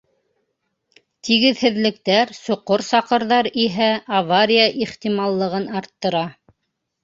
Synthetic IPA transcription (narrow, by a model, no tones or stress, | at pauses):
t̪iɣɘ̆ðhɘ̆ðlɘ̆k̚t̪æɾsŏqoɾsɑqɤ̆ɾðɑɾiɦæʔɐvaɾʲijaʔiχt̪imɑlˠːɤ̆ʁɤnɑɾt̪ːɤ̆ɾɑ